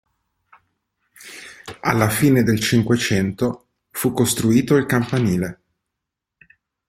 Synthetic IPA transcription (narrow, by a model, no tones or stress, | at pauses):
a̰lːafiːned̪elt͡ʃiŋkwet͡ʃɛnt̪o | fukːost̪ɾuiːt̪oilkampaniːle